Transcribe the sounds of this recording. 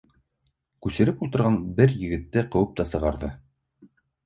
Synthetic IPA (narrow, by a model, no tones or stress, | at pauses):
kʉsɘ̆ɾɘpulˠt̪ɤ̆ɾʁɑnbɘɾjɘ̆ɡɘ̆t̪ːɘqɤ̆wɤp̚t̪ɑsɤ̆ʁɑɾðɤ